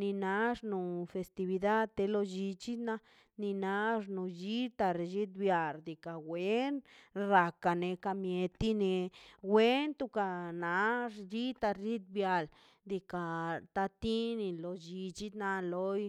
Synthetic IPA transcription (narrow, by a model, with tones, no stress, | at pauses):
ni˧na˧˦ʐnu˨fe˧st̪i˧βi˧d̪a˦d̪̚t̪e˧lo˧d͡ʒi˧t͡ʃi˦d̪na˧ | ni˧na˧ʐnu˧d͡ʒi˦t̪a˧ɾe˧d͡ʒi˦t̪bja˨ld̪i˨ka˨we˦nɾa˧ka˨ne˧ka˧mje˧t̪i˦ne˧we˦nt̪u˧ka˧na˨˧ʐd͡ʒi˦t̪a˧d͡ʒi˦t̪̚bja˧˨l | d̪i˧ka˨t̪a˧t̪i˦ni˧lo˧d͡ʒi˧t͡ʃi˦d̪na˧lo˦j